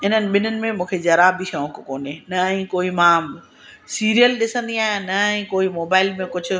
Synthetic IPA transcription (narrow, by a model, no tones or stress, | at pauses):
ɪn̤ənɪ̆ɓɪnənɪ̆mẽmũːkʰed͡ʑɐɾaːbiʃõːkkoːnenɐɛ̃koːimãː | siːɾijəlɗɪsə̃nd̪iaːɦjẽnɐɛ̃ːkoːimoːbaːɪlmẽkʊd͡ʑʱʊ̆